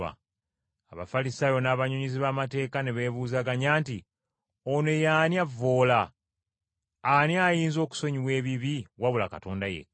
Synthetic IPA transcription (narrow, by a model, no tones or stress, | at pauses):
a̰ | aβa̰falisaːjo̞naːβaɲuɲiziβaːmate̞ːkaneβe̞ːβuːzaːɡaɲaːnti | one̞jaːnjavːo̞ːla | njaːjiːnzo̞ːku̥so̞ɲiβwe̞ːβiβiwaβula̰ka̰to̞ːndajḛ